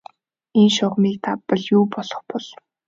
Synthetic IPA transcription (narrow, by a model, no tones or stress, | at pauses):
enʃʊʁmiːk̚t̪ʰapːə̆ɮjuːpɔɮɞ̆χpɔɮ